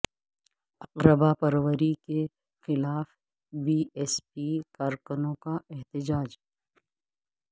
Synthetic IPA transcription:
ɐqɾəbapɐɾwəɾike | xɪlaːf | biːɛːspikaːɾkʊnõkaɛɦt̪ɪd͡ʒaːd͡ʒ

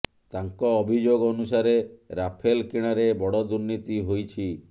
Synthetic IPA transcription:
t̪aŋkɔːbʱid͡ʒoɡɔnusaɾeɾapʰelkiɽ̃aɾebɔɽɔd̪uɾnit̪iɦojt͡ʃʰi

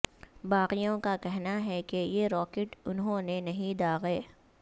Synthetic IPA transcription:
baːqijõkakɛɦnaɦɛkejeɾɔːkeʈʊnɦõnenɐɦĩd̪aːɣeː

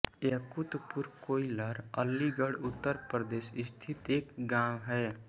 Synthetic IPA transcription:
ekut̪puɾkoːiləɾəlːiɡəɽʊt̪ːəɾpɾəd̪eːsɪst̪ʰit̪eːkɡãːwɦɛ

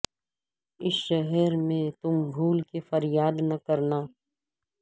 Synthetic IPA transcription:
ɪsʃɐɦɛɾmẽt̪ʊmbʱuːlkefɐɾjaːd̪nɐkɐɾnaː

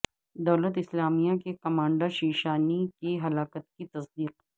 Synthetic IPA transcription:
d̪ɐːlət̪ɪslaːmijakekɐmãːɳɖəɾʃiːʃaːnikiɦɐlaːkət̪kit̪ɐsd̪iːq̚

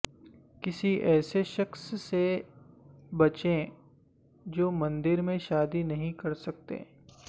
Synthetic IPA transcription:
kɪsiʔɛːseʃɐksːe | bɐt͡ʃẽ | d͡ʒoːmɐ̃nd̪ɪɾmẽʃaːd̪inɐɦĩkɐɾsɐk̚t̪ḛː

